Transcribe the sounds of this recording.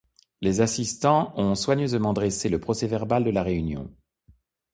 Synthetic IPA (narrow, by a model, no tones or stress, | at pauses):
lezasist̪ɑ̃ɔ̃swaɲøzmɑ̃d̪ʁeseləpχɔsɛvɛʁbald̪əlaʁeynjɔ̰̃